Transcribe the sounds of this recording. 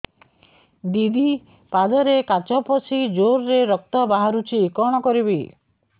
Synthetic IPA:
d̪id̪i | pad͡ʒɔɾekat͡ʃɔpɔsid͡ʒoɾɾeɾɔk̚t̪ɔbaɦaɾut͡ʃʰiːkɔɽ̃ɔkɔɾibi

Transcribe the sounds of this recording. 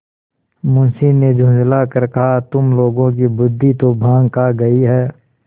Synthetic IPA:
mʊ̃nsined͡ʒʱʊ̃nzlakəɾkɐɦat̪ʊmloːɡõk̬ibʊd̪ʱːit̪obʱãːŋɡkaɡɐiɦɛː

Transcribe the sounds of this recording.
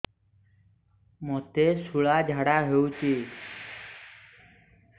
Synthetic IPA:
mot̪eːsuɭaːd͡ʒʱaːɽaːɦeũːt͡ʃeː

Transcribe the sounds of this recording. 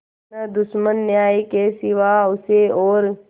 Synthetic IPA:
nad̪ʊʃmənːjaːjikesɪʋaʊseɔːɾ

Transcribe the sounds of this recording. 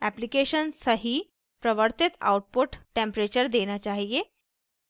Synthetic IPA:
æplikeɕənsəɦi | pɾəʋəɾt̪it̪a̰wʈ̚puʈʈẽmpɾet͡ɕəɾd̪enjat͡ɕaɦie

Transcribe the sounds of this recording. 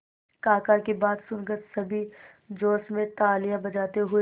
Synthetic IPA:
kaːkaːɾkebaːd̪sʊnkəɾsɐbʱi | d͡ʒoːsmẽt̪aːlijabɐd͡ʒaːt̪eɦʊe

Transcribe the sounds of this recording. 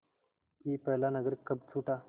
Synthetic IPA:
iːpəlanəɡɾkːəbt͡sʰuːʈa

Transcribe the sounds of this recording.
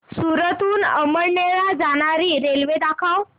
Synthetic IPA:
suɾət̪uːnəməɾɳeɭad͡zaɽ̃aɾiːɾelʋed̪akʰaw

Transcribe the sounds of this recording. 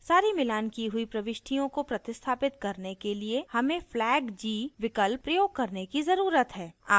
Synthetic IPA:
saːɾimɪlaːnkiɦʊipɾɐʋɪʃʈʰijõkopɾɐt̪ɪst̪ʰaːpɪt̪kɐɾnekeliehɐmẽflɛːɡd͡ʒiːʋɪkəlpːɾɐjoːɡ̚kɐɾnekizɐɾuːɾət̪ɦɛːa̰ː

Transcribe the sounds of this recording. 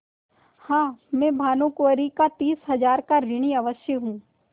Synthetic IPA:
hãːmɛ̃ːbʱaːnõkoəɾikat̪iːsɦɐd͡ʒaːɾkaɾɪɽ̃iɐʋəʃjəɦũː

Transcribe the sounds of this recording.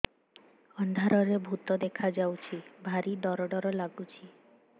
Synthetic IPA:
ɔnd̪ʱaɾɔɾebʱut̪ɔd̪ekʰad͡ʒawt͡ʃʰibʱaɾid̪ɔɾɔɖɔɾɔlaɡut͡ʃʰi

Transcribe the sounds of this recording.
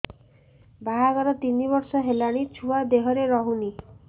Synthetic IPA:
baɦaɡɔɾɔt̪iniβɔɾsɔɦelaɽ̃it͡ʃʰuad̪eɦɔɾeɾɔɦuni

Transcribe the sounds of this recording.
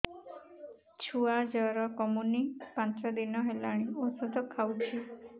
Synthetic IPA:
t͡ʃʰuad͡ʒɔɾɔkɔmunipãnt͡ʃɔd̪inɔɦelaɽ̃iosud̪ʱɔkʰawt͡ʃʰi

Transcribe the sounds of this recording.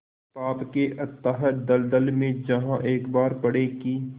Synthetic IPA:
paːpkeʔɐt̪ːaɦəd̪ɐld̪əlmẽd͡ʒɐɦãʔeːkbaːɾpɐɽekiː

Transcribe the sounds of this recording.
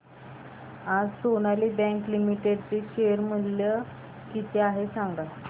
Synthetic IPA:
ad͡zsonalibɛ̃ŋklimiʈeɖt͡seɕeəɾm̤əllə | kit̪ʰeaɦesaŋɡd̪a

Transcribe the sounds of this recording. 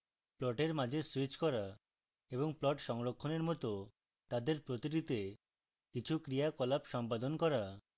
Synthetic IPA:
plɔʈeɾmad͡ʑʱeswit͡ɕkɔɾa | eboŋplɔʈʃɔŋɾokʰːoneɾmɔt̪o | t̪ad̪eɾpɾot̪iɾit̪e | kit͡ɕʰukɾijakɔlapʃɔmpad̪onkɔɾa

